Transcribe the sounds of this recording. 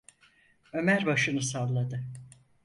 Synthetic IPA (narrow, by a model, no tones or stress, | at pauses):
ø̞mæɾbaʃɯnɯsavlˠad̪ɯ